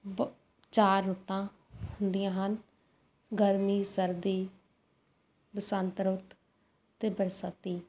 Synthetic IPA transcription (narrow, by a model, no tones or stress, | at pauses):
t͡ʃaːɾːʊt̪ːãː | hʊnd̪ijãːɦən | ɡəɾmiːsəɾd̪iː | bəsənt̪ɾʊt̪ | t̪eːbəɾsət̪iː